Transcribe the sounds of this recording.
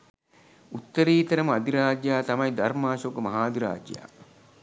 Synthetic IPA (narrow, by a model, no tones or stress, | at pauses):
ut̪ːəɾiːt̪ɐɾəməad̪iɾaːd͡ʒjaːt̪ɐmɐjd̪ɐrmaːʃoɡəmɐɦaːd̪iɾa̰ːd͡ʒja̰ː